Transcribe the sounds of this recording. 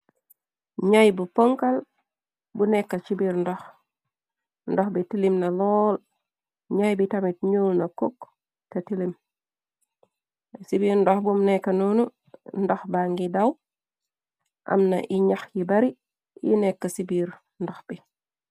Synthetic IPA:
ɲajbupoŋkal | bunɛkːɐt͡ʃibiɾndɔx | ndɔxbitilimnɐlɔl | ɲajbitamit̚ɲulnɐkok | tɐtilim | sibiɾndɔxbumnɛkːanonu | ndɔxbaŋɡidaw | ʔɐ̰mna̰ʔiɲaxjibaɾi | jḭnɛkːɐsibiɾ | ndɔxb̥i

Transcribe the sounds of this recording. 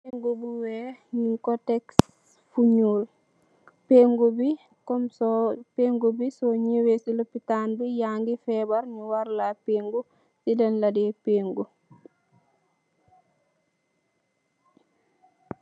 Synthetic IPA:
peŋɡubuwɛɲikɔtɛks | fuɲuːl | peːŋɡubi | kɔmsɔpeːŋɡubisɔɲiwesilopitaːnbijaːŋɡifɛːbɐɾɲuwaɾlapeːŋɡu | sidɛnladɛpeːŋɡu

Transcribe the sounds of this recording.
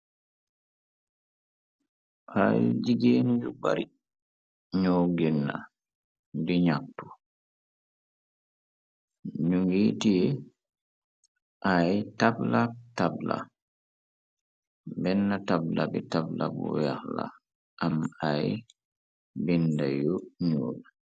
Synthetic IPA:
ʔajd͡ʒiɡeːnid͡ʒuba̰ɾi | ɲɔɡɛnːa̰ | diɲak̚tu | ɲuŋɡitijɛ | ʔajtablatabla̰ | bɛnːatablabɛtabla̰bɔ̰jahla̰ | ʔamaj | bindajɔɲɔːla

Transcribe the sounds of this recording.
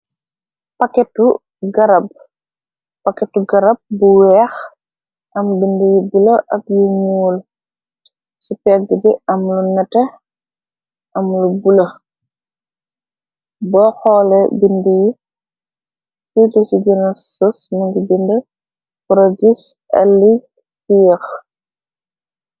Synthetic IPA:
pɐkɛtːu | ɡɐɾɐb̚ | pɐkɛtːuɡɐɾɐb̚buwɛx | ʔɐmbindəjibulɐʔɐk̚juɲuːl | supɛɡəbiʔɐmlunɛtɛ | ʔɐmlubulɐ | bɔxɔːlɛbindəji | kidɔsiɡɛnɐsəsmɐŋɡibində | pɾoɡis | ʔɐ̰lːi | fijɛx

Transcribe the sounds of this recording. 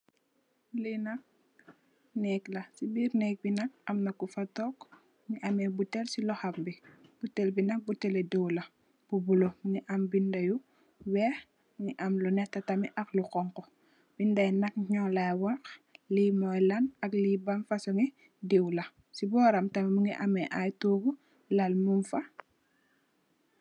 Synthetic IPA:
linɐk̚ | nɛklɐsibiːɾnɛk̚binɐk̚ɐmnɐkːufɐtɔk | niʔɐmɛbutɛlsilɔxɐmbib̥utːɛlbinɐk̚butɛlɛdɛwlɐ | b̥ubuloniʔɐmbindɐju | wɛː | ŋiʔamlunɛtːɐtɐmiʔɐxluqɔŋkɔ | bindɐjnɐk̚ɲɔlajwaxlimɔjlanɐklibanfɐsuŋi | dɛwlɐ | sibɔːɾɐmtɐmimuŋiʔamɛʔajtuːbu | lalmumfɐ

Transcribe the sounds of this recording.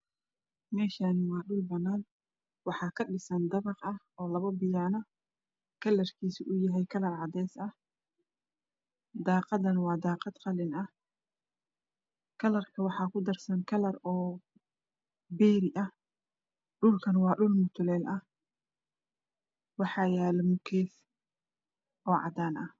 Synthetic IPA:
mɛːʃanwɑːɖʊlbɐnːaːn | wɑħɑːkʰɐɖɪsɐnd̪ɐβɑqɐh | ɔːlɐβɐbɪjaːnɐ | kʰɐlɐrkʰiːsɪʔʊjɐɦɛjkʰɐlɐrʕɑd̪ɛːsɐh | d̪ɑːqɑd̪ɐnwɑːd̪ɑːqɑd̪qɑlɪnɐh | kʰɐlɐrkʰɐwɑħɑːkʰʊd̪ɐrsɐŋkʰɐlɐrɔː | bɛːɾɪʔɐh | ɖʊlkʰɐnwɑːɖʊlmʊt̪ʰʊlɛːlʔɐh | wɑħɑːjaːlɐmʊkʰɛːθ | ʔɔːʕɑ̰d̪aːnʔɐ

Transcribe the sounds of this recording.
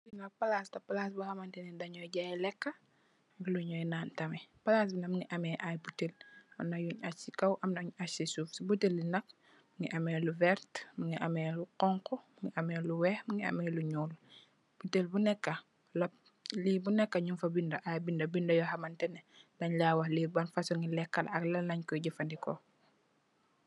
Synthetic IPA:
biŋɐpɐlastɐpɐlaːsbuhɐmɐntɛnɛdɐɲɔjɟajlɛkːɐ | luɲɔjnaːntɐmɛpɐlas̬binɐmŋiʔɐmɛʔajbutelɐmnɐjuɲasikɐwʔɐmnɐɲasisufsibutelːinɐk̚ | muŋiʔɐmɛluvɛɾtmuŋiʔɐmɛluqɔŋkɔmuŋiʔɐmɛːluwɛːhmuŋiɐ̰mɛluɲuːl | b̥utelbunɛkːɐ | lɐp̚ | libunɛkːɐɲumfɐbindɐʔajbindɐbindɐjɔhɐmɐntɛnɛdɐɲlaːwɐhliːbɐnfɐsɔŋilɛkːɐlɐklɐnɐɲkɔɟifɐndikɔ

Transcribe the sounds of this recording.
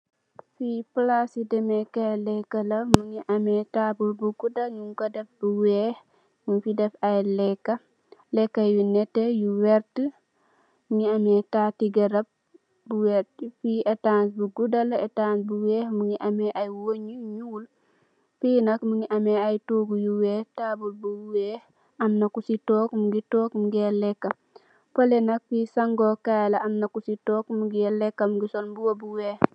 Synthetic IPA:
fiplasidɛmɛkalɛkːɐlɐmuŋiʔɐmɛtabubuɡudɐŋiŋɡɐdɐf̚buwɛh | mufidɛfɐjlɛkːɐ | lɛkːɐjunɛtːɛjuwɛɾtə | ŋiɐmɛtatiɡɐɾɐp̚ | buwɛtfietaːnsbuɡudɐlɐetaːnsbuwɛːhmuŋiʔɐmɛʔajwoɲuɲuːl | fiːnɐkmuŋiʔɐmɛajtuɡujuwɛtaːbulbujuwɛ | ɐmnɐkusitɔːkmuɡitɔːkmuɡɛlɛkːɐm | polenɐk̚fisaŋɡokajlɐʔɐmnɐkusitɔːkmuɡiɛlɛkːɐmɡisonbuwobuweːh

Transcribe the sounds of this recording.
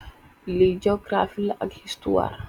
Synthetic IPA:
liːd͡ʒokɾaːfilɐ̰ɡhist̪uwa̰ːɾ

